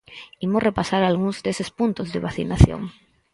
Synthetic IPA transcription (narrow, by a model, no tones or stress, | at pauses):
imorepasaɾalɣ̞uŋzðesespunt̪ozðeβaθḭnaθjo̰ŋ